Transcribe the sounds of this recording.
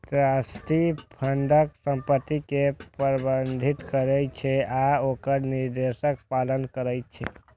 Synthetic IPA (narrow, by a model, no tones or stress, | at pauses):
t̪ɾasʈipʰənɖ̪ʱəksəmpət̪ːikepəɾbənd̪ʱit̪kəɾɛt͡ʃʰɛaokəɾniɾd̪esək̚palənkəɾɛjt͡ʃʰɛ̰